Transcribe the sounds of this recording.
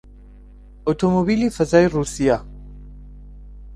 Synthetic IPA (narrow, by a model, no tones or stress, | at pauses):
ʔot̪ʰomobiːlifɐzaːiruːsija